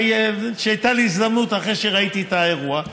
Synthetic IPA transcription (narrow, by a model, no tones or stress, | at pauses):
jʃeajt̪aleis̬d̪amnut̪aχʁeʃeʁait̪iet̪ae̞ʁua